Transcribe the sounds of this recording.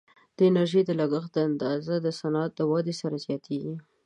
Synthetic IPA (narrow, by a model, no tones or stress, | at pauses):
d̪̥əɪnaɾʒəjd̪əlaɡəxd̪əand̪ɑzad̪əsanɑt̪ləwɑd̪esaɾazjɑt̪ʰeɡi